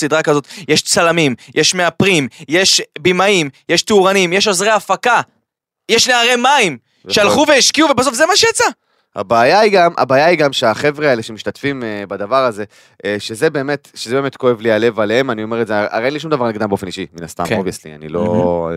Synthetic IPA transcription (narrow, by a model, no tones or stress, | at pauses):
sid̪ʁakazo̞t̪jeʃt͡salamimjʔeʃmeapʁimje̞ʃbimaimjeʃt̪iuʁanimjeʃozʁeafaka | jeʃneaʁe̞maim | ʃealχuveiʃkiuvebaso̞fze̞maʃejat͡sa | ha̰baːjaiɡamʔa̰baːjaiɡamʃeaχe̞vʁeaeleʃemiʃtatfimbad̪avaʁaze̞ | ʃe̞zebe̞ːme̞t̪ʃezebeme̞t̪ko̞e̞vliale̞valee̞manio̞meetzeʔa̰ʁeenliʃ̬umd̪avaʁniɡdambeofe̞niʃimina̰st̪a̰mkovia̰slḭa̰nḭlo